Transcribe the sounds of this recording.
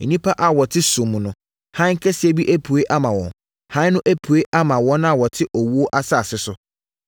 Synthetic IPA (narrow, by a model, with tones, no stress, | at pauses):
nĩ˦pʰa˦ʔa˨wɔ˨tʰɪ˦sũ˨m̃˨nʊ̃˨ | hã˦ŋ̩˦kʰɛ˦si˨e˦bi˦ʔæ˦pʰu˨e˦ʔa˦mã˨wɔ̰̃˨n | hã˦nʊ̃˦ʔæ˦pʰu˨e˦ʔa˦mã˨wɔ̃˦nʊ̃˦a˨wɔ˨tʰɪ˦ʔɔ˨wu˦o˦ʔa˦sa˦˨sɪ˦sʊ˨